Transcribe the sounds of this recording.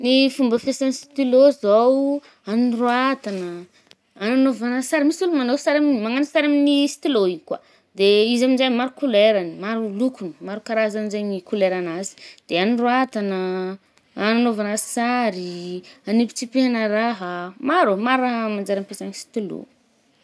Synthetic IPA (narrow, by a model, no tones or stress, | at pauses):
nifumbəfesanisi̥t̪ilozaw | aniroat̪anəː | nanovanəsaɾimisulumanowsaɾaminmaŋanisaɾaminisi̥t̪iloikwa̰ | d̪eizaminzajmaɾukuleɾanimaɾulukunəmaɾukaɾazamzajnikuleɾanazi̥d̪̥eaniroat̪anəː | nanovanəsaɾianipi̥t͡sipeɦanəɾaɦəmaɾumaɾaɦəmand͡ʒaɾapesanisi̥t̪ilo̰